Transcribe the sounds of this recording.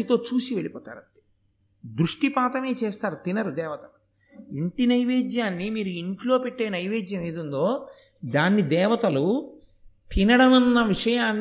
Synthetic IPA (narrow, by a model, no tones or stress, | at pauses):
it̪o̞ːt͡ʃuːsiʋe̞ɭipɔːt̪a̰ːɾɐt̪i̥ | d̪ɾuʂʈipaːt̪ɐme̞ːt͡ʃeːst̪aːɾut̪inɐɾud̪ɛːʋɐt̪ɐu | iɳʈinɐjʋeːd͡ʒ̪jaːnːimiːɾuiɳʈlo̞ːpeʈːe̞ːnɐjʋeːd͡ʒ̪jɐmeːd̪und̪o̞ː | d̪aːnːid̪ɛːʋɐt̪ɐlu | t̪inɐɽɐmɐnːɐʋiʂɐjaːnː